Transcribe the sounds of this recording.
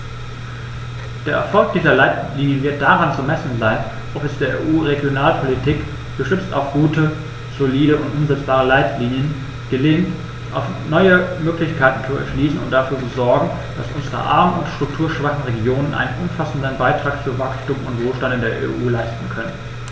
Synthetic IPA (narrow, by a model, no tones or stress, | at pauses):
d̥eːɐʔɛ̰ɐfɔlk̚d̥iːzɐlaɪtliːnjəvɪɐt̚d̥aʁant͡sumɛsn̩zaɪn | ʔɔpɛsd̥eːɐʔḛʔuːʁeɡjonaːlpʰolitʰiːk | ɡ̥əʃʏt͡sta̰ʊfɡ̥uːtə | z̥oliːɾəʊntʔʊmzɛt͡sb̥aːʁ̞əlaɪtʰliːnjən | ɡ̥əlɪŋ | ʔa̰ʊfnɔʏəmøːklɪçkʰaɪtn̩t͡suɛ̰ɐʃliːsn̩ʊ̰nt̚d̥afyːɐt͡suzɔɐɡŋ̩ | d̥asʔʊnzəʁə̰ʔa̰ɐmənʊntʃtʁ̥ʊktʰuːɐʃv̥aχn̩ʁeɡjoːnənʔa̰ɪnənʔʊmfasn̩dənbaɪtʁ̥aːk̚fuːɐvakstuːmʊntv̥oːlʃtantɪndeːɐʔḛʔuːlaɪstn̩kʰœnən